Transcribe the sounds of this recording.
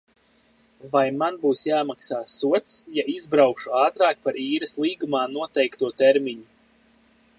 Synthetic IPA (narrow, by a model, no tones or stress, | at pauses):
vajmanbuːsjaːmaksaːsuɔt̪sjaizbɾawkʃuaːt̪ɾaːk̚paɾiːɾɐslˠiːɡumaːnuɔt̪ɛjkt̪uɔt̪ɛɾmʲiɲu